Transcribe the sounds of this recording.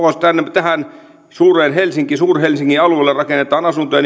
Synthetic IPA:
ost̪ænːet̪æhæn | suːreːnɦelsiŋkisuːrhelsiŋːiɑluelːerrɑkenːet̪ˑɑːnɑsunt̪ojɑn

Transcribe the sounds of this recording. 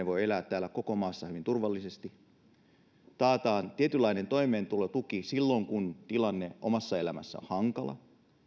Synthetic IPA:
eʋo̞jelæːt̪ːæːlækko̞komɑːsːɑhyʋint̪urʋɑlːisest̪i | t̪ɑːt̪ɑːnt̪iet̪ylːɑinent̪o̞ime̞ːnt̪ulet̪ukisilːo̞ŋkunt̪ilɑnːeʔo̰mɑsːɑelæmæ̰sːæ̰o̰hɑŋkɑlɑ̰

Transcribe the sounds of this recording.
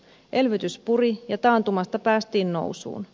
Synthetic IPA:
ʔe̞lʋyt̪yspurijɑt̪ɑːnt̪umɑst̪ɑpæːst̪iːnno̞̰wsṵːn

